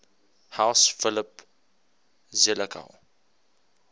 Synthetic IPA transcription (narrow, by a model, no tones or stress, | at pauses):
hawsfɪlɪp | zeləkʰa̰w